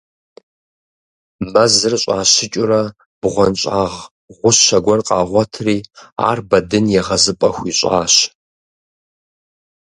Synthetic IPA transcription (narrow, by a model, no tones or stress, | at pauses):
mɐzɨrɕʼaːɕɪt͡ʃʼʊrɐ | b̥ʁʷɔnɕʼaːʁ | ʁʷʊɕʃɐɡʷɔrqʼɑːʁʷɔtʰriːa̰ːrbɐdɨnjɛʁɐzɨpʼɐxʷiːɕʼaːɕ